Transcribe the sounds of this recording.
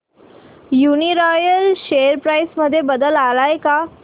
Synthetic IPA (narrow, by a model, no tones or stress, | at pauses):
juniɾɔjəlɕejəɾpɾajsməd̪ʱːjebəd̪əlalajka